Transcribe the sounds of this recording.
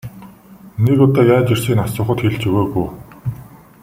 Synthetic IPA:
nekʊt̪ɔːjaːt͡ɕir̥siːnasʊːχə̆t̪xeɮt͡ɕɵɣoːɣuj

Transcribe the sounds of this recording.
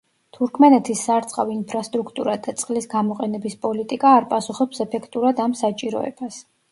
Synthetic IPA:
t̪ʰuɾkʰmɛnɛt̪ʰisːaɾt̪sʼqʼaviinpʰɾast̪ʼɾukʰt̪ʼuɾad̪at̪sʼqʼlisɡamɔqʼɛnɛbispʼɔlit̪ʼikʼaːɾpʼasuχɔpsɛpʰɛkʰt̪ʼuɾad̪amsat͡ʃʼiɾɔ̰ɛ̰b̥as

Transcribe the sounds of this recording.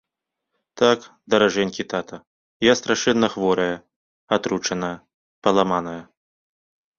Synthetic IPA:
t̪ak | d̪ɐɾaʐɛnʲkʲit̪at̪ɐ | jast̪ɾaʂɛnːɐxvɔɾɐjɐ | at̪ɾut͡ʂɐnɐjɐ | pɐlˠamanɐjɐ

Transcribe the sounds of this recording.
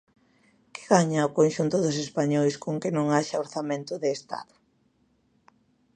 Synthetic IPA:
kɪ̥ɣaɲaokonʃunt̪ʊðʊs̬espaɲojskoŋkɪnõŋaʃaoɾθamẽnt̪ʊðeːst̪a̰ðʊ̥

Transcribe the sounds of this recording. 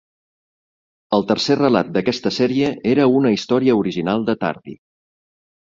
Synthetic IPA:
əlˠt̪ərserəla̰t̪̚d̪əkɛst̪əsɛɾiəeɾəunəist̪ɔɾiəuɾiʒinalˠd̪ət̪a̰ɾðḭ

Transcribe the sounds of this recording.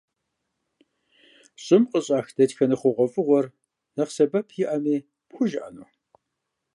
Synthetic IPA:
ɕʼɪmqʼəɕʼɑːxd̥ɐtxɐnɨχʷɔʁʷɔfʼɨʁʷɔr | nɐqsɐbɐpʰjɪʔɐmiː | pxʷʊʒʔɐ̰nuː

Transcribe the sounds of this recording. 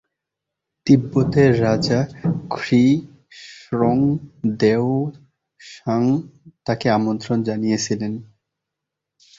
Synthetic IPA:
d̪ibːot̪eːad͡ʑakʰɾi | ʃɾoŋd̪eo | ʃaŋt̪akeamont̪ɾond͡ʑanijet͡ɕʰilen

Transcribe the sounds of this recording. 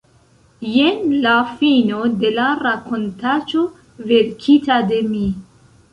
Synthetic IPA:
jenlafino̞de̞laɾakʰo̞ntat͡ʃo̞ | ve̞ɾkʰitade̞mi

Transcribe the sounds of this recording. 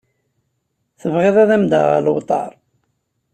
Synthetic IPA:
θəvʁɪðˤæðæmd̪ə̰ʁə̰lwt̪ˤɑ̰ɾˤ

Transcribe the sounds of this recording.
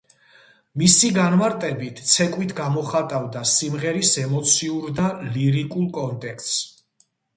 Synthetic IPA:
misiɡanmaɾt̪ʼɛbit̪ʰt̪sʰɛkʼwit̪ʰɡamɔχat̪ʼavd̪asimʁɛɾisɛmɔt̪sʰiuɾd̪aliɾikʼulˠkʼɔnt̪ʼɛkʰt̪s

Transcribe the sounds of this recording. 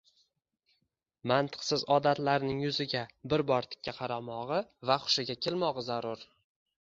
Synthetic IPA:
mant̪ʰɨ̥qsɪzɒd̪at̪laɾnɪŋjʊzɪɡʲabɪɾbɒɾt̪ʰɪ̥kʲːaqʰɑɾamɒʁɨvaχʊ̥ʃɪɡʲakʲʰelmɒʁɨzaɾʊɾ

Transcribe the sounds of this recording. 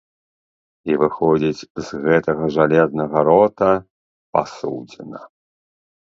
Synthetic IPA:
ivɨxɔd͡zʲit͡sʲzɣɛt̪ɐɣɐʐalʲɛznɐɣɐɾɔt̪ɐ | pa̰suwd͡zʲɛnɐ

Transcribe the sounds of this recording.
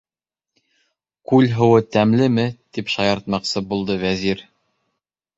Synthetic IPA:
kʉlɦɤ̆wɤt̪æmlɘmɘt̪ipʃɑjɑɾt̪̚mɑqsɤbulˠd̪ɤvæziɾ

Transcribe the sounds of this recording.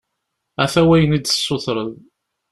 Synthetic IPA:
æθæwæjənid̪ə̥sːʊθɾˤəð

